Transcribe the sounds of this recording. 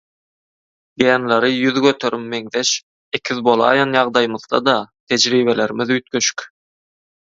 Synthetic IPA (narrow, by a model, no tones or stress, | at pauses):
ɡenleɾijyðɡøt̪ʰøɾʔimːeŋðeʃ | ekʲʰiðbolˠɑ̰ːjɑnjɑʁd̪ɑjmɯðd̪ɑ̰d̪ɑt̪ʰed͡ʒɾiːβeleɾimiðyt̪̚køʃy̥kʲ